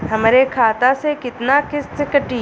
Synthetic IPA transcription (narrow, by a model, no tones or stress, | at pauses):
ɦɐmɾekʰaːt̪asekɪt̪nakɪssekəʈiː